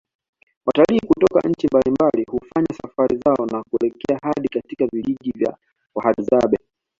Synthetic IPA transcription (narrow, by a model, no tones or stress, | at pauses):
wataliːkutɔka̰ʔɲ̩t͡ʃimbalimbalihufaɲasafaɾʔizaɔnakuɛlɛkɛahaɗikatikaviliʄivja̰ | wahaɗzaɓɛ